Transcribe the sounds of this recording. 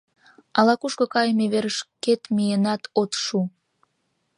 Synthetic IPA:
ɑlɑkuʃkŏkɑjmeβeɾəʃket̪mijenɑt̪ot̪ʃu

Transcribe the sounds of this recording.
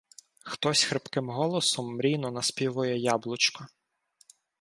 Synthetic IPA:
xt̪ɔsʲxɾɪpkɪmɦɔlˠɔsɔmːɾʲinɔnɐspʲiʋɔjɛjɑblˠʊt͡ʃkɔ

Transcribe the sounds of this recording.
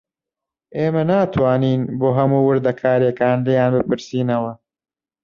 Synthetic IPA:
ʔeːmɐnaːt̪ʰwaːniːnboːɦɐmuwʊɾd̪ɐkʰaːɾjekaːnlejaːnbɨpɨɾsiːnɐwɐ

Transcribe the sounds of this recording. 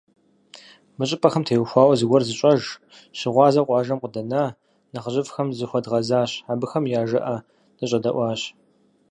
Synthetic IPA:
mɨɕʼɪpʼɐxɐmtʰeːwxʷɑːwɐzɨɡʷɔrzɨɕʼɐʒ | ɕɪʁʷɑːzɐqʷʼɑːʒɐmqʷədɐnaː | nɨʁəɕɪfxɐmzɨxʷɔdʁɐzaːɕabɨxɐmjaːʒɐ̰ʔɐ | nɨɕʼɐdɐʔʷɑːɕ

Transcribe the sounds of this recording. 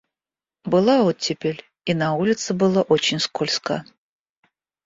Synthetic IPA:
bɨlˠaotʲːɪpʲelʲ | inaulʲɪt̪sɨbɨlˠaʔot͡ɕɪnʲskolʲska̰

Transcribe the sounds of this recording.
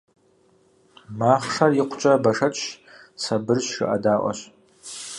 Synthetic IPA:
maːχʂɐrjɪqʷʊt͡ʃʼɐbɐʂɐt͡ʃʼ | sɐbɨrɕʃɨ̰ʔɐ̰daːʔʷɔ̰ɕ

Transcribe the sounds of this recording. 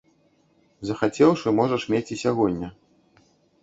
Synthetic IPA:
zɐxat͡sʲɛwʂɨmɔʐɐʂmʲet͡sʲisʲaɣɔd̪ʲnʲːɐ

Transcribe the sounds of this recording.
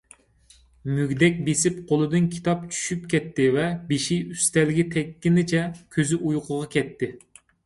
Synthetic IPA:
myɡʲd̪ɛk̚ʲbesɪpqʰolˠɨd̪ɨnkʲʰi̥t̪ʰɑp̚t͡ʃʰy̥ʃyp̚kʲɛt̪ʰːɪvɛbeʃiyst̪ɛlɪɡʲɛt̪ʰɛkʲːinɪt͡ʃʰɛkʲʰøzyʔujqʰʊʁɑkʲʰɛt̪ʰːɪ

